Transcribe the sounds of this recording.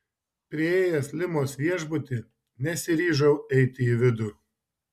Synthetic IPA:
pʲɾʲɪeːjɛslʲɪmoːsʋʲiɛʒbʊt̪ʲɪ | nʲɛsʲɪɾʲiːʒɐʊɛɪt̪ʲɪiʋʲɪd̪ʊ

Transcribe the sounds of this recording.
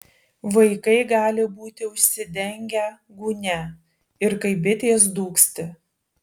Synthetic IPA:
ʋɐɪkɐɪɡɑːlʲɪbuːt̪ʲɪʊʃʲsʲɪd̪ʲɛŋʲɡʲɛ | ɡuːnʲɛ | ɪɾkɐɪbʲɪt̪ʲeːs̬d̪uːksʲt̪ʲɪ

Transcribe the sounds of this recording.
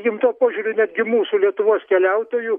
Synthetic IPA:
jʲɪmt̪uɔpoːʒʲuːɾʲʊnʲæd̪ʲɡʲɪmuːsuːlʲiɛt̪ʊʋoɔskʲɛlʲɛʊt̪oːjuː

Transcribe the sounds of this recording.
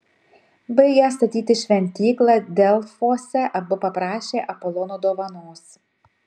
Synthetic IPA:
bɐɪɡʲɛst̪ɐt̪ʲiːt̪ʲɪʃʲʋʲɛnʲt̪ʲiːklˠɑd̪ʲɛlˠfoːsʲɛʔɐbʊpɐpɾɑːʃʲeːʔɐpɔlˠɔnoːd̪oːʋɐnoːs

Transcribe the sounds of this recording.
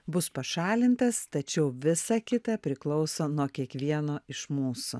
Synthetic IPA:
bʊspɐʃɑːlʲɪnʲt̪ɐst̪ɐt͡ʃʲɛʊʋʲɪsɐkʲɪt̪ɐpʲɾʲɪklˠɒʊsoːnuɔkʲiɛkʋʲiɛnoːɪʃmuːsʊ̰

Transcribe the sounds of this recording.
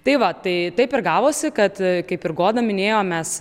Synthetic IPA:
t̪ɐɪʋɐt̪ɐɪt̪ɐɪpɪɾɡɑːʋoːsʲɪkɐt̪kɐɪpɪɾɡoːd̪ɐmʲɪnʲeːjoːmmʲɛs

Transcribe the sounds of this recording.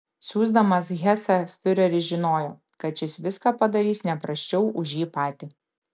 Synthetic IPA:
sʲuːzd̪ɐmɐs̬ɣʲɛsɐfʲɪɾʲɛɾʲɪʒʲɪnoːjoː | kɐt̪t͡ʃʲɪsʋʲɪskɑːpɐd̪ɐɾʲiːsnʲɛpɾɐsʲt͡ʃʲɛʊʔʊʃjiːpɑːt̪ʲiː

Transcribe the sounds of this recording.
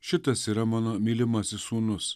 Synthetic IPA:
ʃɪt̪ɐsiɾɐmɐnɐmʲiːlʲɪmɐsʲɪsuːnʊs

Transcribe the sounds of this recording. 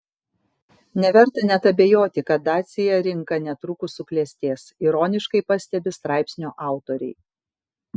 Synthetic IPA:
nʲɛʋʲɛɾt̪ɐnʲɛt̪ɐbʲeːjoːt̪ʲɪkɐt̪̚d̪ɑːt̪sʲɪjɛɾʲɪŋkɐnʲɛt̪ɾʊkʊsʊklʲɛsʲt̪ʲeːsiɾoːnʲɪʃkɐɪpɐsʲt̪ʲɛbʲɪst̪ɾɑˑɪpʲsʲnʲoːʔɑˑʊt̪oːɾʲɛ̰ɪ

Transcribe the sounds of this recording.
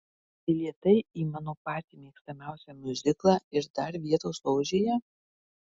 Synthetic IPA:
ɐɪlʲiɛt̪ɐɪiːmɑːnoːpɑːt̪ʲimʲeːkst̪ɐmʲæˑʊsʲɛmʲʊzʲɪklˠɑːɪɾd̪ɐɾʋʲiɛt̪oːslɔʊʒʲeːjɛ

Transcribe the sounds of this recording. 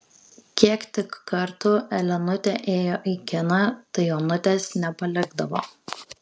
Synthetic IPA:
kʲiɛkt̪ʲɪkːɐɾt̪ʊɛlʲɛnʊt̪ʲɛʔeːjoːʔikʲɪnɐt̪ɐɪoːnʊt̪ʲesnʲɛpɐlʲɪɡd̪ɐʋoː

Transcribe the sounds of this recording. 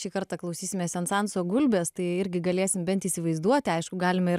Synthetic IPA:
ʃʲiːkɐɾt̪ɑklˠɐʊsʲiːsʲɪmʲeːsɛnt̪sɑnsoːɡʊlʲbʲeːst̪ɐɪɪɾʲɡʲɪɡɐlʲeːsʲɪmbʲɛnt̪iːsʲɪʋɐɪzd̪uɔt̪ʲɪɐɪʃkʊɡɑːlʲɪmɐɪɾ

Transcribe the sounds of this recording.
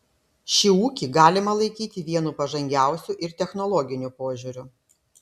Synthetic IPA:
ʃʲɪuːkʲiˑɡɑːlʲɪmɐlˠɐɪkʲiːt̪ʲɪʋʲiɛnuːpɐʒɐŋʲɡʲæˑʊsʲuʔɪɾt̪ʲɛxnɔlˠɔɡʲɪnʲupoːʒʲuːɾʲʊ

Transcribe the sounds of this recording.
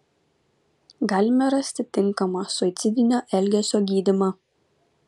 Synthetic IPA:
ɡɑːlʲɪmʲɛɾɐsʲt̪ʲɪt̪ʲɪŋˑkɐmɑsʊɪt̪sʲɪd̪ʲɪnʲoːʔɛlʲɡʲɛsʲoːɡʲiːd̪ʲɪmɑː

